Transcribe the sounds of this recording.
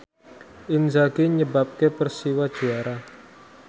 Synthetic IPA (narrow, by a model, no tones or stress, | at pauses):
ʔɪnzaɡiɲəbap̚kepərsiwad̥ʒ̥ṳaɾa